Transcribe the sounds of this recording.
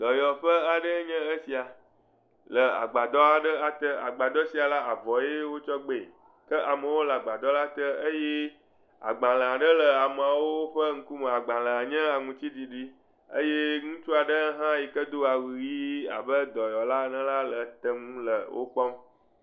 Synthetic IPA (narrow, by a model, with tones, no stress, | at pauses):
d̪̥ɔ˨jɔ˨ɸə˦a˨ɖə˦ɲɛ̃˦ə˦si˨a˨ | lə˨a̰˨ɡ͡ba˨d̪ɔ˦a˨ɖə˦a˨t̪ə˦a˨ɡ͡ba˨d̪ɔ˦si˨a˨la˦a˨vɔ˨je˦wo˦t͡ʃɔ˦ɡ͡be˨ | kə˦ʔa˨mə˨wo˦lə˨a˨ɡ͡ba˨d̪ɔ˦la˦t̪ə˦ə˦je˦ | a̰˨ɡ͡bã˨lə̃˨a˨ɖə˦lə˨a˨m˨a˨wo˦o˦ɸə˦ŋ̩˦ku˦mə̃˨a˨ɡ͡bã˨lə̃˨a˨ɲɛ̃˦a˨ŋũ˨t͡ɕi˦d̪i˨ɖi˦ | ə̰˦je˦ŋũ˦t͡ʃu˦a˨ɖə˦ɦã˦ji˨kə˦d̪o˦a˨wi˨wi˦a̰˨bə˦d̪ɔ˨jɔ˨la˦nə̃˦la˦lə˨t̪ə˨ŋũ˦lə̰˨wʔo̰˦k͡pɔ˦m